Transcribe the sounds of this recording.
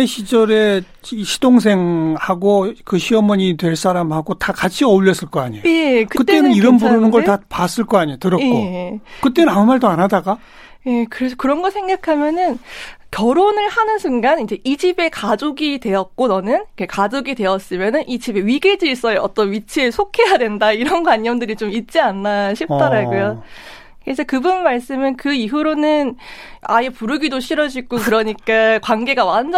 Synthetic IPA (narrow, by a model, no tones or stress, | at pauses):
eɕʰid͡ʑʌɾe̞ | ɕʰi̥d̥oŋs̬ʰe̞ŋhaɡokɯɕʰiʌmʌɲitwe̞ɭs͈aɾamhaɡotakat͡ɕʰiʌuʎːʌs͈ɯɭk͈ʌaɲijekɯkɯt͈enɯniɾʌmbuɾɯnɯnɡʌɭtapas͈ɯɭk͈ʌaɲitɯɾʌkekokɯt͈enɯnamumaɭdoanɦadaɡa | je̞kɯɾe̞sʰʌkɯɾʌnɡʌsʰe̞ŋɡakʰamjʌnɯnkjʌɾonɯɭhanɯnsʰɯŋɡanind͡ʑe̞ʔid͡ʑibe̞kad͡ʑoɡidwe̞jʌt̚k͈onʌnɯnkʰekad͡ʑoɡide̞ʌs͈ɯmjʌnɯnʔid͡ʑibe̞ɥiɡed͡ʑiɭs͈ʌjeʌt͈ʌnɥit͡ɕʰeesʰokʰe̞jadwe̞ndaiɾʌnkwaɲːʌmdɯɾit͡ɕomit̚t͡ɕ͈ianːaɕʰip̚t͈ʌɾaɡojo | kesʰʌkɯbunmːaɭs͈ɯmɯnkɯiɦuɾonɯna̰je̞puɾɯɡidoɕʰiɾʌd͡ʑiɡokɯɾʌɲik͈akwanɡe̞ɡawand͡ʑ